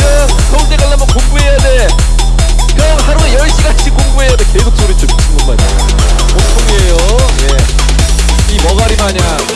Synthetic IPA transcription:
sʰʌŋteɡaɭːamʌkoŋbuɦe̞jade | pʰʌŋhaɾunejʌɭɕ͈iɡat͡ɕʰikoŋbuɦe̞jadekesʰok̚s͈oɾit͡ɕʰut͡ɕʰiŋɡobaɲa̰ | motʰoɡejoje | imʌɡaɾimaɲa

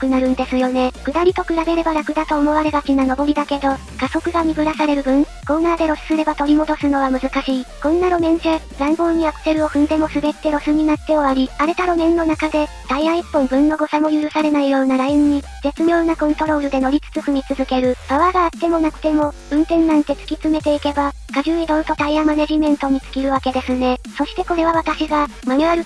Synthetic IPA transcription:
kɯ̟naɾɯ̟̃nd̪e̞sɨjo̞ne̞kɯ̟d̪aɾʲit̪o̞kɯ̟ɾabe̞ɾe̞baɾakɯ̟d̪at̪o̞ːmo̞βaɾe̞ɡbakʲinano̞bo̞ɾʲid̪ake̞d̪o̞ | kaso̞kɯ̟ɡamʲiɡɯ̟ɾasaɾe̞ɾɯ̟bɯ̟̃nkõ̞nːaːd̪e̞ɾo̞sɨ̥sɨɾe̞bat̪o̞ɾʲimo̞d̪o̞sɨno̞βamɯ̟zɨkaɕiːkõ̞nːaɾo̞mẽ̞ɰ̃ɕe | zãŋɡo̞ːɲ̟iapɯ̟̥se̞ɾɯ̟o̞ɸɯ̟̃nd̪e̞mo̞sɨbe̞t̪ːe̞ɾo̞sɨɲ̟inat̪ːe̞o̞βaɾʲiaɾe̞t̪aɾo̞mẽ̞nːo̞nakad̪e̞ | d̪̥aiãɰ̃ipːõ̞mbɯ̟̃nːo̞ɡo̞samo̞jɯ̟ɾɯ̟saɾe̞naijo̞ːnaɾaĩɲ̟ːi | ze̞t͡sɨmʲjo̞ːnakõ̞nt̪o̞ɾo̞ːɾɯ̟d̪e̞no̞ɾʲit͡sɨ̥t͡sɨɸɯ̟ɲ̟ʲit͡sɨzɨke̞ɾɯ̟paβaɡaːt̪ːe̞mo̞nakɯ̟̥t̪e̞mo̞ | ɯ̟̃nt̪ẽ̞nːãnt̪e̞t͡sɨ̥kʲit͡sɨme̞t̪e̞ike̞ba | kaʑɨːid̪o̞ɾɯ̟t̪o̞t̪aiãmːane̞ʑimẽ̞nt̪o̞ɲ̟it͡sɨ̥kʲiɾɯ̟βake̞d̪e̞sɨne̞so̞ɕi̥t̪e̞ko̞ɾe̞β̞aβ̞at̪aɕiɡa | maɲɯ̟aɾɯ̟

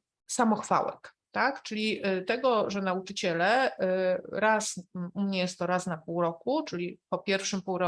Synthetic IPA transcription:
samɔxfa̰wɛ̰k | t̪akt͡ʂɘlʲiʔt̪ɛɡɔʐɛnaut͡ʂɘt͡ɕɛlɛ | ɾasʔumɲɛjɛst̪ːɔɾasnapuwɾɔkut͡ʂɘlʲipɔpʲjɛɾfʂɘmpuwɾɔ

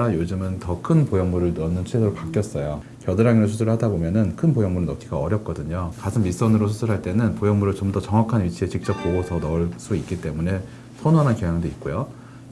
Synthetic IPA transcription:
ajod͡ʑɯmɯntʌkʰɯnpojʌŋmuɾɯɭnʌnːɯnt͡ɕʰwedoɾopak͈jʌs͈ʌjo | kjʌdɯɾaŋinɯs̬ʰusʰɯɾɯɭhadabomjʌnɯnkʰɯnpojʌŋmuɾɯɭnʌk͈ʰiɡaʌɾjʌp̚k͈ʌdɯɲokasʰɯmmis͈ʌnɯɾosʰusʰɯɾɦaɭt͈e̞nɯnpojʌŋmuɾɯɭt͡ɕomdʌt͡ɕʌŋwakʰanɥit͡ɕʰie̞t͡ɕik̚t͡ɕ͈ʌp̚k͈oɡosʰʌnʌɭs͈uik͈it͈e̞mune̞ | sʰonoɦanankjejaŋdoit̚k͈ojo

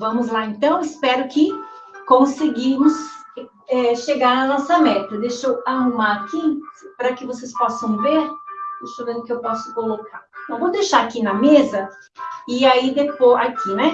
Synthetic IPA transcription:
vɐ̃mʊzlaẽnt̪ɐ̃w̃ɪspɛɾʊkɪ | kõsɪɡĩmʊs | ɛʃeɡaɾɐnɔsɐmɛt̪ɐd̪eʃowahumaɾakipɾɐkɪvosespɔsɐ̃w̃veɾest̪ovẽnd̪ʊkɪewpɔsʊ̥kolokaɾt̪ɐ̃w̃vowd̪ejʃaɾakinɐmezɐ | ɪaid̪epoakʰinɛ

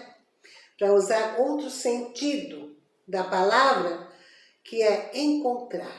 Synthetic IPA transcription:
pɾɐuzaɾowt̪ɾʊsẽnt͡ʃid̪ʊ | d̪ɐpalavɾɐ | kʰɪɛẽŋkõnt̪ɾa

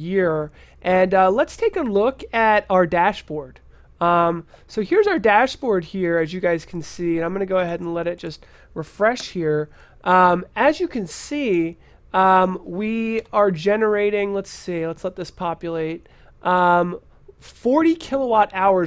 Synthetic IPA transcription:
jɪɹ | ʔɨ̃nʌlətstʰeɪkəlʊkɨɾaʊə˞dæʃb̥ɔɹd̥ | ʌ̃msoʊhiɹzaʊə˞dæʃb̥ɔɹd̚hiɹɨzjɨɡaɪz̥kʰn̩siɨ̃nãɪ̃mɡʌ̃nɨɡoʊɨɦɛɾ̃n̩lɛɾɨt̚d̥ʒ̥ʌst̚ | ɹɨfɹɛʃhiɹ | ʔʌ̃mɨzjɨkʰɨ̃nsi | ʌ̃mwiə˞d͡ʒɛnə˞eɪɾɪ̃ŋlətsilətslɛt̪̚ðɪspʰɑpjɨleɪt̚ | ʔʌ̃m | fɔɹɾikʰɪlˠəwɑɾaʊə˞

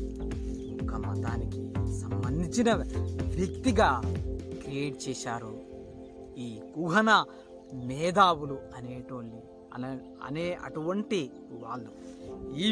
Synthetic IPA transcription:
mukʰːɐmɐ̰d̪aːnikisɐmbɐnd̪it͡ʃinɐʋjɐkt̪iɡaːkɾieːʈ̚t͡ʃɛːʃaːɾu | iːkuɦɐnɐ | mɛːd̪aːwuluɐneːʈɐʋɐlːi | ɐ̰neːɐ̰ʈuʋɐɳʈi | ʋaːɭːuiː

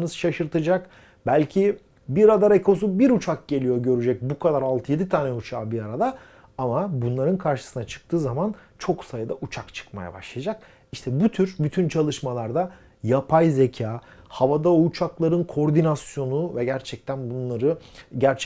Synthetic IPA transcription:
nɯzʃaʃɯɾt̪ʰɯd͡ʒak | bælʲcʰi | biɾad̪aɾekʰo̞s̬ubiɾut͡ʃʰak̚ɟe̞lʲijo̞ɟø̞ɾyd͡ʒɛc̚bukʰad̪aɾalˠt̪ʰɯje̞d̪it̪ʰaːnɛut͡ʃʰaːbiaɾad̪a | amabunlˠaɾɯnkʰaɾʃɯ̥sɯnat͡ʃʰɯ̥k̚t̪ʰɯːzamant͡ʃʰo̞ksajɯd̪aʔut͡ʃʰakt͡ʃʰɯ̥kma̰ja̰ba̰ʃlˠad͡ʒak̚ | iʃt̪ʰɛbut̪ʰyɾbyt̪ʰynt͡ʃʰalˠɯʃmalˠaɾd̪a | japʰajze̞cʰaːhavad̪aut͡ʃʰaklˠaɾɯnkʰo̞ɾd̪inasjo̞nuvɛɟæɾt͡ʃʰɛc̚t̪ʰænbunlˠaɾɯ | ɟæɾt͡ʃʰɛ

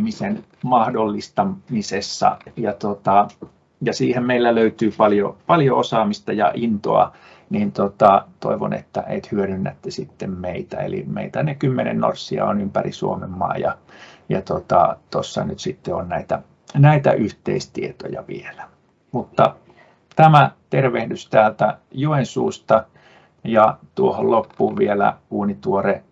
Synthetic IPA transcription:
misen | mɑhdolːist̪ɑmisesːɑ̰jɑt̪ot̪ɑ | jɑsiːhemmeilːæløyt̪yːpɑljopɑljoosɑːmist̪ɑjɑ̰ʔint̪o̰ɑ | niːnt̪ot̪ɑt̪o̰iʋo̰nḛt̪ːæʔeit̪hyøɾynːæt̪ːesit̪ːemmeit̪æḛlḭmḛit̪ænekymːenḛnno̰rsːiɑ̰onympærḭsuomemːɑ̰ːjɑjɑt̪ot̪ɑ̰t̪osːɑnyt̪sit̪ːeonnæit̪æ | næit̪æʔyht̪ḛist̪iet̪ojɑʋḭelæ | mut̪ːɑ | t̪æmæt̪erʋehdyst̪æːlt̪æjuensṵːst̪ɑ | jɑt̪uohollopːuːʋʋielæ̰uːnit̪uore

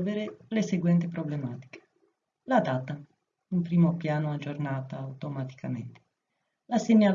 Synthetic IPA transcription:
lveɾeleseɡwɛnt̪epɾoblemaːt̪i̥ke̥ | lad̪at̪ːa | umpɾiːmopjaːnoad͡ʒːornaːt̪aːwt̪omat̪i̥kamḛnt̪e̥ | laseɲːal

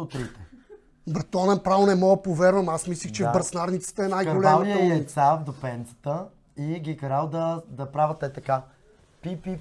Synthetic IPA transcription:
ot̪ɾit̪ɛ | bɐt̪ɔnɛnpɾavnɛmɔəpovɛɾvəmasmislixt͡ʃɛvbəɾsnaɾnit̪sə̥t̪əɛnajɡolɛaviiɛt̪savd̪opɛnt̪sə̥t̪ə | iɡʲikɐɾalˠd̪əd̪ɐpɾavət̪ɛt̪ɐka | pipi

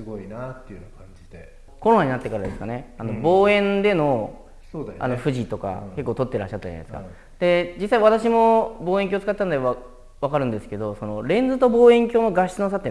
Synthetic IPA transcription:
ɨɡoinat̪ːejɯnakãɲd͡ʑid̪e | koɾonaɲ̟inat̪ːe̞kaɾad̪e̞sɨ̥kane̞ano̞bo̞ːẽ̞nd̪e̞no̞ | od̪ʔa̰no̞ɸɯ̟ʑit̪o̞ka̰ke̞kːoːt̪o̞t̪ːe̞ɾa̰ɕːat̪ːad͡ʑa̰esɨka̰ | d̪̥e̞d͡ʑisːaiβat̪aɕimo̞bo̞ːeŋkʲoːt͡sɨ̥kat̪ːanod̪eβa | βakaɾɯ̟̃nd̪e̞sɨ̥ke̞d̪o̞so̞no̞ɾẽ̞nd͡zɨt̪o̞bo̞ːẽ̞ŋkʲo̞ːno̞ɡaɕino̞s̬at̪ːe

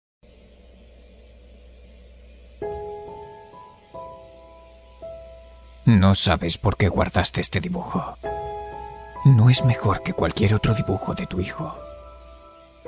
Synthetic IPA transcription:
no̞saβe̞spo̞ɾke̞ɣwa̰ɾðast̪eest̪e̞ðiβuxo | noe̞zme̞xo̞ɾke̞kwa̰lkje̞ɾo̞t̪ɾoðiβuxo̞ðe̞t̪uixo

